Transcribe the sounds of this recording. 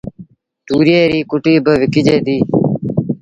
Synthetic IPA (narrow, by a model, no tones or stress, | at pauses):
t̪uːɾɪjeːɾiːkʊʈiːbəʋɪkɪd͡ʒeːd̪iː